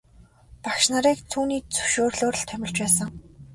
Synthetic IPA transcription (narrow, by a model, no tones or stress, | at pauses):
pakʃnaɾiːkt̪ʰuːniːt͡sɵwʃoːrɮoːɾə̆ɮt̪ʰæmʲɪ̆ɮt͡ɕpæːsə̆ŋ